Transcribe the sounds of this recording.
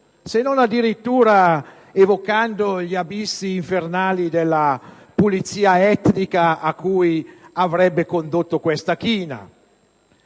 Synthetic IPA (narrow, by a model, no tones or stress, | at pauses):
senonad̪ːiɾit̪ːuːɾa | evokand̪oʎiabisːiːɱfernaːlid̪elːa | pulit̪siːaɛt̪nikaakːuːjavɾɛbːekond̪ot̪ːokwɛst̪akiːna̰